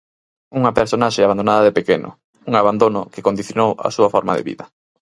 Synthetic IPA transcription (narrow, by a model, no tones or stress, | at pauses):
uŋɐpeɾsonaʃeaβand̪onaðaðepekenʊ̰ | uŋaβand̪onʊkɪkond̪iθjonowɐ̰suɐfɔɾma̰ðḛβḭðɐ